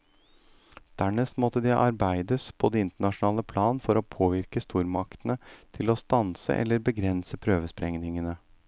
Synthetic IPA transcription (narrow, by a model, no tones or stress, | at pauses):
d̪̥æɳɛst̪mɔt̪ːəd̪ɛʔɑɾbæɪd̪əspʰɔd̪ɛːɪnt̪əɳɑʂnɑːləpʰlɑːnfɔɾopʰoːʋɪɾkəst̪uːɾmɑkt̪nət̪ʰɪlɔst̪ɑnsə̰ʔɛ̰lːəɾbəɡɾɛnsəpʰɾøːʋəspɾɛŋnɪŋənə